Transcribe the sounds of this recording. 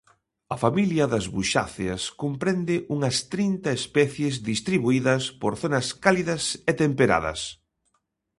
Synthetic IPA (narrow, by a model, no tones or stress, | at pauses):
ɐfamiljɐðɐzβuʃa̰θeɐskompɾɛnd̪ɪʔuŋɐst̪ɾint̪ɐespɛθjezðist̪ɾiβuiðɐspoɾθonɐskaliðɐsɛt̪empeɾa̰ðɐ̰s